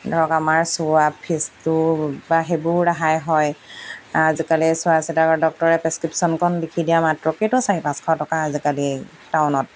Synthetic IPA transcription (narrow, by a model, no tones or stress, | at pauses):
dɔɹɔkamaɹsʊapʰːistubaɦebʊɹɹaɦajɦɔj | azikalisʊasɛtakɔdɔk̚tɔɹɛpɹɛskɹipsɔnkʰɔnbikʰidijamatɹɔketʊsaɹipãskʰɔtɔkaːzikali | tawnɔt̚